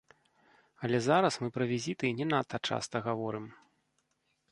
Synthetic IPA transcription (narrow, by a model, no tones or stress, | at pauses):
ɐlʲɛzaɾɐsmɨpɾɐvʲizʲit̪ɨnʲɛnat̪ːɐt͡ʂa̰st̪ɐɣavɔɾɨm